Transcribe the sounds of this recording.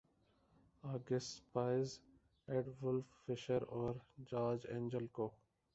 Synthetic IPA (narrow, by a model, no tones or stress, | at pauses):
aːɡɪspaːɪz | eɖʋʊlfːɪʃəɾɔːɾd͡ʒaːd͡ʒḛ̃ːɲd͡ʒəlkoː